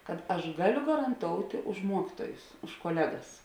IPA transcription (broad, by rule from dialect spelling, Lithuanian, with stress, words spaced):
kɐt ˈɐʃ ˈɡɑːˌlʲʊ ɡɐrɐnˈtoːʊtʲeː ʊʃ ˈmuɔkʲiːtuɔjʊs ʊʃ koːˈlʲæːɡɐs